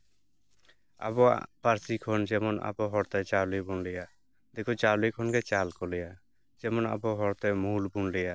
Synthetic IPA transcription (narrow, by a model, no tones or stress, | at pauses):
a̰bɔa̰paɾsikʰɔnd͡ʒɛmɔna̰bɔɦɔɾt̪ɛt͡ʃalibunlɛja | d̪ekʰɔt͡ʃalikʰɔnɡɛt͡ʃalkɔlɛja | d͡ʒɛmɔna̰bɔɦɔɾt̪ɛmuulbunlɛja